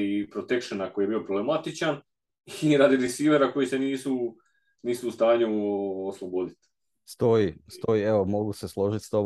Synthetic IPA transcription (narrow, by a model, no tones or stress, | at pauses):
ipɾo̞t̪e̞kʃonako̞jije̞biːo̞pɾoblemat̪it͡ʃan | iɾad̪iɾisiːʋe̞ɾako̞jise̞niːsu | niːsuːst̪aːɲuoslˠobod̪it̪ | st̪o̞ist̪o̞ieʋomo̞ɡuseslˠoʒit̪st̪om